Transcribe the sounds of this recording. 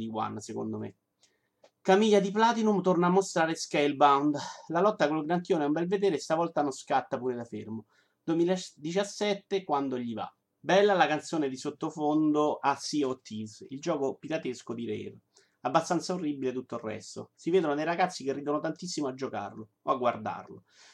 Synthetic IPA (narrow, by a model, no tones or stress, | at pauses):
iwa̰nːseko̰nd̪omḛ | kamiʎːad̪iplaːt̪inumt̪ornaːmːost̪ɾaːɾeskejlbawnd̪lalɔt̪ːakolɡɾaŋk̪joːnɛumbɛlved̪eːɾest̪avɔlt̪anonskat̪ːapuːɾed̪afermo | d̪uemilad̪it͡ʃasːɛt̪ːekwand̪oʎiva̰ | bɛlːalakant̪soːned̪isot̪ːofond̪oʔasːiot̪ʰːizild͡ʒɔːkopit̪at̪eskod̪iɾɛ̰r | abːast̪ant̪saorːibilet̪ut̪ːorːɛ̰st̪o̰siveːd̪onod̪ejɾaɡat̪sːikerːiːd̪onot̪ant̪isːimoad͡ʒːoka̰rlo | oaɡward̪a̰rlo̰